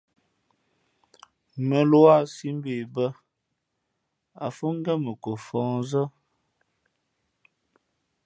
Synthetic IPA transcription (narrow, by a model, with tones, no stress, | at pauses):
mə˨lwa˦˨si˦m˦be˨bə˦ | a˨fu˦ŋ˦ɡɛ˦mə˨ko˨fɔ̃ː˨˦zə˦